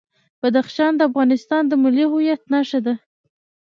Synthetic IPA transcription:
b̥ad̪axʃɑnd̪əafɣɑnɪst̪ɑnd̪əmɪliɦʊjat̪naʃad̪a

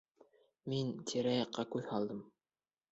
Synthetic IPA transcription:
mint̪ʲʰiɾæjɑqːɑkʉðhɑlˠd̪ɤm

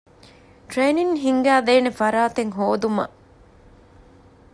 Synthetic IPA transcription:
ʈɾeːniŋɦiŋɡæːd̪eːnefɐɾaːt̪eŋɦoːd̪umɐ̰

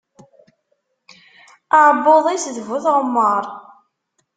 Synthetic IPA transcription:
aʕbːoðˤisðvuθʁəmːəɾˤ

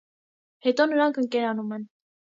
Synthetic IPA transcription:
hɛt̪ɔnəɾɑŋkʰəŋkɛɾɑnumɛn

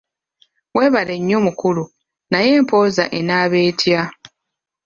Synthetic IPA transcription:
we̞ːβale̞ɲːo̞mukulu | naje̞ːmpo̞ːza̰ʔe̞naːβe̞ːtʰja

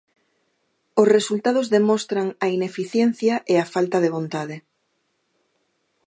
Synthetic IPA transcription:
osresult̪að̞ozðemɔst̪ɾaŋɐinefiθjen̟θjaʔeafalt̪ɐð̞eβ̞ont̪aðɪ

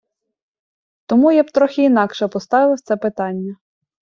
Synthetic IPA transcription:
t̪ɔmujabt̪ɾɔxʲiːnɑkʃɛpɔst̪ɑʋɪlˠɐwt̪sɛpɪt̪ɑnʲːɐ

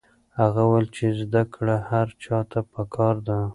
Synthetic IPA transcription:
haɣawajlt͡ʃezd̪akɽahaɾt͡ʃɑt̪ʰapəkʰɑɾd̪a

